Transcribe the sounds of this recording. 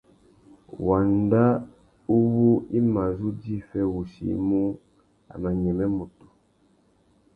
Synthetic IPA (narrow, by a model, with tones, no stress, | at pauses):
wa˨nda˦ | u˦βu˦i˦ma˨zu˦d͡ʒi˦fɛ˦wu˨ʃḭ˨˦mu˦ | a̰˨ma˨ɲɛ˨mɛ˦mu˨tu̥˨